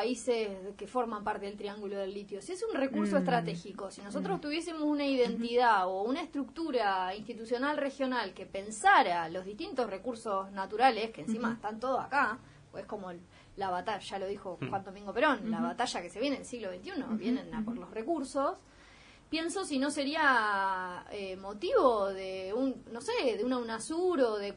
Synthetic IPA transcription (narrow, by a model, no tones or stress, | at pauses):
aiseskefo̞ɾmampaɾt̪e̞ðelt̪ɾiaŋɡulo̞ð̞e̞lːit̪josiesunre̞kuɾsoest̪ɾat̪e̞xiko̞sino̞s̬o̞t̪̬ɾost̪uβje̞s̬emosunaiðe̞nt̪iðaounaest̪ɾuk̚t̪uɾainst̪it̪usjo̞nalrexjo̞nalkepe̞nsaɾalo̞zðiht̪int̪osre̞kuɾso̞snat̪uɾale̞skeeːnsimaest̪ant̪o̞ð̞osaka | oe̞sko̞mo̞ | laβat̪aʃalo̞ð̞ixoxwand̪omĩŋɡopeɾonlaβat̪aʃake̞sejeneðelsiɣloβejnt̪juno̞̰βje̞nenapoɾlo̞sre̞kuɾsos | pje̞nso̞sino̞se̞ɾia | emo̞t̪iβo̞ðeunːoseðeunaunasuɾoðe